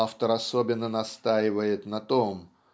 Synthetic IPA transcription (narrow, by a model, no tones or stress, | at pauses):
aft̪əɾɐsobʲɪnːənɐst̪ajɪvəjɪt̪nɐt̪om